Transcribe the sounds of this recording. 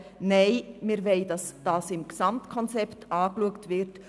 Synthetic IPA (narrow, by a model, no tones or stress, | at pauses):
nɛɪmɪɾvɛɪdɑsd̥ɑːsɪmksɑmtkʰɔnt͡sɛptɑːkluəktvɪɾt